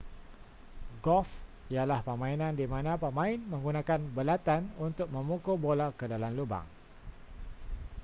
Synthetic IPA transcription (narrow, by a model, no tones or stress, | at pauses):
ɡɔf | ijalahpəmãinãndimãnãpəmãɪnmə̃ŋɡunãkanbəlat̪anunt̪ʊk̚mə̃mukobolakədalamluba̰ŋ